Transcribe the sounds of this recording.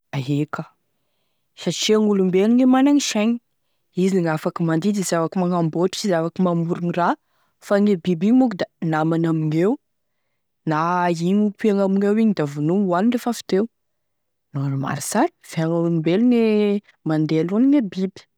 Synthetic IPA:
aɦekə | ʃat͡ʃiaŋulumbeliŋemanaŋiʃaɲi | iziŋafakimand̪id̪izavakimaŋamboʈ͡ʂi̥t͡ʃizavakimamuɾunira | faŋebibiɲmukd̪anamanamiŋew | naiɲupiaŋamiŋewiɲid̪avunuŋwaniɳɖ͡ʐefafi̥t̪ew | nonuma̰ɾisaɾi̥v̥eaŋaulumbeline | mand̪ealoniŋebibi̥

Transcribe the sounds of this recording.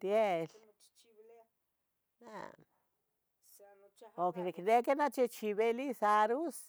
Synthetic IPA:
t̪jel | na̰ | okeneknekenat͡ʃet͡ʃiβelisaɾus

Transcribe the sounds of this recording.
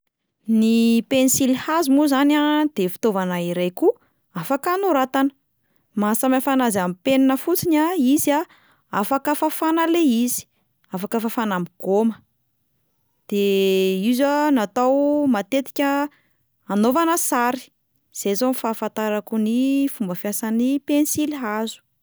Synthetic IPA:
nipenisilhazimuzanad̪̥efi̥t̪ovanaiɾajku | afakanuɾat̪anə̥ | masamafanazamipeninəfut͡sinaiza | afakəfafanəleizi̥ | afakəfafanamiɡ̥omə | d̪̥eizanat̪awmat̪et̪i̥kʲə | anovanəsaɾi̥ | z̥ezonifaːfant̪aɾakunifumbəfjasanipensilɦazu̥

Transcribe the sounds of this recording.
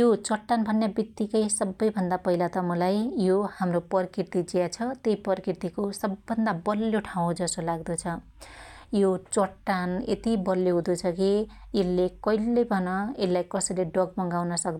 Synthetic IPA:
jot͡sʌʈːanbʱʌnːjabit̪ːikʌjsʌbːʌjbʱʌnd̪apʌɦilat̪ʌmʌlajjohamropʌrkirt̪id͡zijat͡sʰʌt̪ejpʌrkirt̪ikosʌbːʌnd̪abʌlːjoʈʰaw̃d͡zʌsolaɡd̪ut͡sʰʌ | jot͡sʌʈːanḛt̪ibʌljoɦũd̪ut͡sʰʌkielːekʌjlːebʱʌnʌelajkʌsʌjleɖʌɡ̚bʌŋɡawnʌsʌkd̪

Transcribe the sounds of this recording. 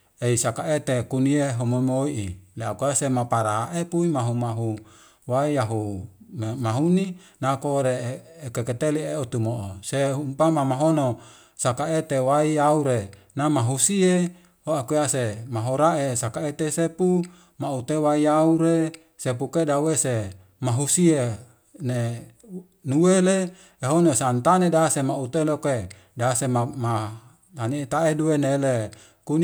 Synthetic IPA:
eisakaet̪ekunieɦomomoiʔileakuasemapaɾaʔepuimaɦumaɦu | waiaɦummaɦuni | nakoɾekeket̪elieot̪umoʔoseumpamamaɦono | sakaet̪ewaiauɾe | namaɦusie | hoakeasemaɦoɾaʔesakaet̪esepu | maut̪ewaiauɾe | sepukedawese | maɦusie | ne | nuele | eɦonosant̪anedasemaut̪eloke | dasemama | t̪anit̪aeduenele | kun

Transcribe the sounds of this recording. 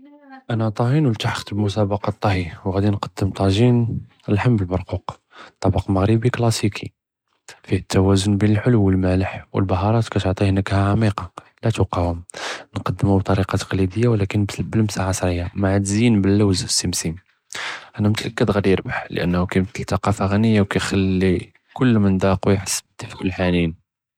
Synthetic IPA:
ʔænæt̪ˤɑhinwəlt̪aħə̥xt̪əbmʊsæbɑqɑt̪ˤːɑhiwɣæd̪inqɑd̪ːəmt̪ˤɑʒin | əlħamːbəlbɑɾˤquq | t̪ˤːɑbɑqməɣɾibiklɑsikʰi | fihət̪ːæwæzʊnbinəlħʊluwəlmæləħwə̰lbɑɦɑɾˤɑt̪kæt̪oʕt̪ˤihənəkhæʕamiqɑ | læt̪wɑqːɑhʊmnqɑd̪ːəmubt̪ˤɑɾiqɑt̪ə̥qlid̪əjːawlækənbəlmsaʕɑsˤɾˤəjːamaʕad̪zinbəlːæwzəsːimsim | ʔænæmət̪ʔækːəd̪ɣæd̪ijəɾbaħlə̰ʔə̰nːhukæmət̪əlt̪ːɑqɑfaɣænəjːawkæjxælːi | kʊlːmənd̪ɑqwjħə̥sːəbt̪ːəfkəlːħanin

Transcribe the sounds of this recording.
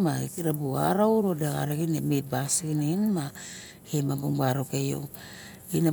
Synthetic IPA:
maekiɾabua̰ɾawɾodeɣa̰ɾeɡinemet̚basiɡinenma | hemabuŋbaɾokejo̰ | ina

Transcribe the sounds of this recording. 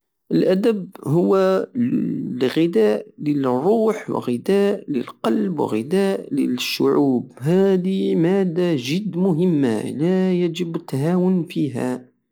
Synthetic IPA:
ʔəlʔæd̪əbɦʊwːa | ɣɪd̪æːʔlərˤːuːħwə̰ɣɪd̪æːʔləlqɑlbwə̰ɣɪd̪æːʔlə̰ʃːʊ̰ʕuːbɦæd̪imæd̪ːaʒɪd̪ːmʊɦəmːa̰læjæʒəbət̪ːaɦawʊnfiːɦa̰

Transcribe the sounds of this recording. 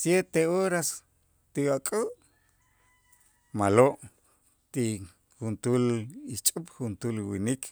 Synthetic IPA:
sjet̪eoɾas | t̪iwakʼuʔ | maloʔ | t̪i | xunt̪ulit͡ʃʼupxunt̪ulwinikʰ

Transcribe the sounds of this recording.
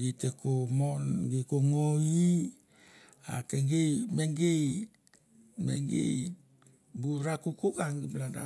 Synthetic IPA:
itekomonɡekoŋoi | a̰keŋɡejmeŋɡej | mḛŋɡḛj | buɾakukukaŋɡiblada̰

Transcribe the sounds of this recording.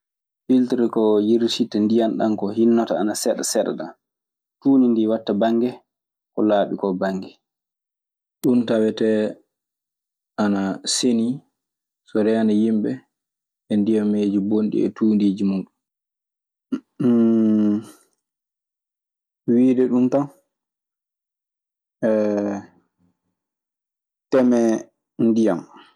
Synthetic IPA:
filtɾkɔjiɾtitandijanɗankɔhinːɔtaanasɛɗasɛɗa̰ɗa̰ | tuːnindiwatːabaŋɡɛ | kɔlaːɓikɔbaŋɡɛ | ɗuntawɛtɛ | ʔanaseni | sɔɾɛanajimɓɛ | ɛndijamːeːd͡ʒibonɗḭɛ̰tuːndid͡ʒimuːɗun | wiːdɛɗuntan | ɛ | tɛmɛ | ndijam

